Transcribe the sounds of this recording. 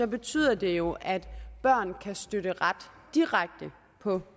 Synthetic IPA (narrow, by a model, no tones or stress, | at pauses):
ɒ̽be̝t͡sʰy̰ːð̰ˠɐd̥e̝jo̝ʔæd̥b̥ɶɐ̰nkʰæsd̥øɾ̥əʁad̥ | d̥iʁaɡ̥̚d̥ə | pʰɒ̽